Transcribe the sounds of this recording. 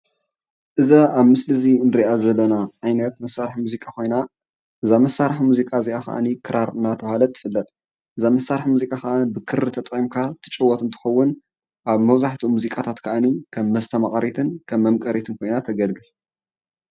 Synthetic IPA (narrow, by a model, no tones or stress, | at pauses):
ʔɨzaaβmɨslɨzinɨɾiʔazɐlːɐnaʕajnɐt̪mɐsːaɾħmuzikʼako̞jna | ʔɨzamɐsːaɾħmuzikʼaziʔakɐ̰ʔa̰nikʰɨɾaɾɨnːat̪ʰɐβhalɐt̪ʰʼːɨ̥fɨlːɐt̪ʼ | ʔɨzamɐsːaɾħmuzikʼakɐʔanibɨkʰɨɾɨt̪ʰɐt̪ʼqʼimkʰat̪ʰɨ̥t͡ʃʼɨwɔt̪ɨnt̪ʰɨ̥xɐwːʊn | ʔaβmɐβzaħt̪ʰumuzikʼat̪ʰat̪kʰɐʔanikʰɐmːɐzt̪ʰɐmaχʼɐɾit̪ʰɨnkʰɐmːɐmkʼɐɾit̪ʰɨnkʰo̞jnat̪ʰɐɡɐlɡɨl